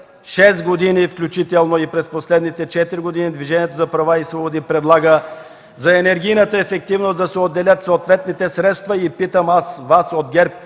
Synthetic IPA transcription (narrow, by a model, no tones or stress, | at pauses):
ʃɛs̬ɡod̪inifklʲut͡ʃit̪ɛlˠnoipɾɛsposlɛd̪nit̪ɛt͡ʃɛt̪iɾiɡod̪inid̪viʒɛniɛt̪ozɐpɾɐvaisvobod̪ipɾɛd̪lˠaɡə | zɐɛnɛɾɡʲijnət̪əɛfɛk̚t̪ivnosd̪ɐsɛod̪ːɛlʲət̪soːt̪vɛt̪nit̪ɛsɾɛt̪st̪vɐipit̪əmasvasod̪ɡʲɛɾp̚